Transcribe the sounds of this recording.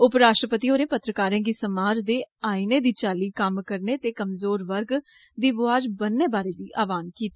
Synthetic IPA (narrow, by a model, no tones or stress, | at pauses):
ʊpɾaːʃʈɾəpət̪iːoːɾẽːpət̪ɾəkaːɾɛ̃ːɡiːsəmaːd͡ʒd̪eːaːiːneːd̪iːt͡ʃaːliːkəmkəɾneːt̪eːkəmzoːɾʋəɾɡ | d̪iːʋʊaːd͡ʒbənːeːbaːɾeːd̪iːʔaːʋaːnkiːt̪ː